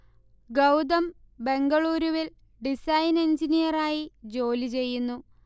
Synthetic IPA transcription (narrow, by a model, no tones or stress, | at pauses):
ɡɐwd̪ɐm | be̞ŋɡɐɭuːɾuʋil | ɖisɐjnend͡ʑinijɐraːjid͡ʑo̞ːlit͡ɕe̞jːunːu